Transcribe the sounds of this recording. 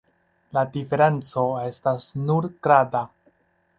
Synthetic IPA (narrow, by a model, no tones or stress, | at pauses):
ladife̞ɾe̞nt͡so̞e̞stasnuɾɡ̥ɾada